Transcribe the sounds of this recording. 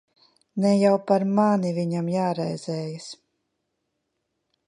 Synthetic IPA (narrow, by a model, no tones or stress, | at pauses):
nɛjawpaɾmaniviɲamjaːɾɛjz̥ɛːjas